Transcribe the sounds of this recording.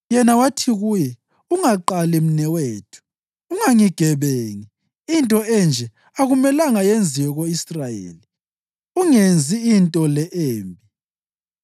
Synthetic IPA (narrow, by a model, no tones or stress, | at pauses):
jɛnawatʰiɣujɛ | uŋaǃalɛm̩nɛweːtʰu̥ː | ŋaŋiɡ̥ʱɛβeːŋi | intʼɔɛnd͡ʒʱɛ | aɣumɛlaŋajend͡zʱiwɔɣoisrajḛːli | uŋend͡zʱiːntʼɔlɛʔeːmbʱi